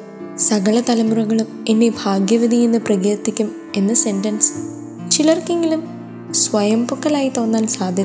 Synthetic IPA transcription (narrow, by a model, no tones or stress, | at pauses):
sɐɣɐɭɐt̪ɐlɐmurɐɣɐɭume̞nːe̞bʱaːɡjɐʋid̪ʱijenːɨprɐɣeːrt̪ːikʲːum | e̞nːɐse̞ntɐns | t͡ɕilɐrke̞ŋɡilum | sʋɐjɐmpukːɐlaːjit̪o̞ːnːaːnsaːd̪ʱjɐ